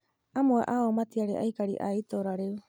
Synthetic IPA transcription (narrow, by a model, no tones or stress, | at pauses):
amoaʔaomat̪iaɾeʔa̰jkaɾḭʔa̰it̪oɾaɾew